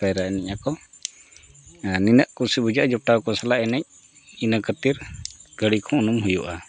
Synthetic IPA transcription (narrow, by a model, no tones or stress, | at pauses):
pɛjɾaɛnɛcakɔ | ninəʔkusibud͡ʒaʔd͡ʒɔp̚ʈakɔsalaʔɛnɛɲ̚ | inəkət̪iɾɡ̥əɽikʰɔ̃unumɦujuʔa